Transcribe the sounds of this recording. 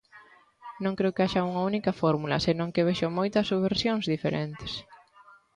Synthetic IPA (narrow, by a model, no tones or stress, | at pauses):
nõŋkɾeukeaʃɐuŋɐunikɐfɔɾmulɐ̰senõŋkeβeʃomojt̪ɐsuββeɾsjõŋzðifeɾent̪ɪ̥s